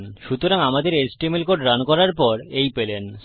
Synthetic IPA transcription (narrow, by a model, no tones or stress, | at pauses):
nʃut̪oɾaŋamad̪eɾesʈemelkoɖɾankɔɾaɾpɔɾejpelen